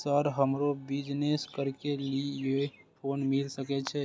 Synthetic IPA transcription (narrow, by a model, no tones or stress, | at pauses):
səɾɦəmɾobid͡ʒneskəɾkeliee | pʰonmilsəkɛt͡ʃʰɛ